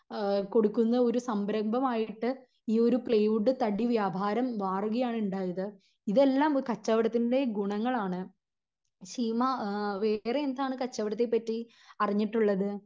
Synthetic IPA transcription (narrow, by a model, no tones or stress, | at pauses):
ko̞ɽukːunːɐo̞ɾusɐmbɾɐmbʱɐmaːjiʈːɨ | iːo̞ɾupɭejʋuɖːɨt̪ɐɽiʋjaːbʱaːɾɐmʋaːruɣɐjaːɳuɳɖaːjɐðɨ | iðe̞lːaːmkɐt͡ɕːɐʋɐɽɐt̪ːinde̞ɡuɳɐŋːɐɭaːɳɨ | ɕiːmɐʋe̞ːreend̪aːɳɨkɐt͡ɕːɐʋɐɽɐt̪ːepːɐtːi | ɐriɲːiʈːuɭːɐðɨ